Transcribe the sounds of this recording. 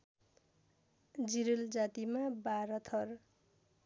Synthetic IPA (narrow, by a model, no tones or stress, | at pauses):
d͡ziɾild͡zat̪imabaɾʌt̪ʰʌr